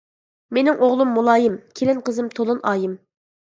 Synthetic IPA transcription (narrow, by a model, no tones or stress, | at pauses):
menɪŋʔoʁlˠumːulˠɑːjɪmkʲʰelɪnqəzɨmt̪ʰolˠunʔɑːjɪm